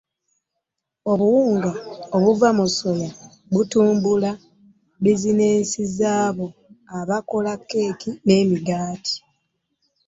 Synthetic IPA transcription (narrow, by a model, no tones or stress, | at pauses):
o̞βuwuːŋɡaoβuvamuso̞ja | βutuːmbula | bizineːnsizaːβo̞aβako̞lakːe̞ːkine̞ːmiɡaːtʰi̥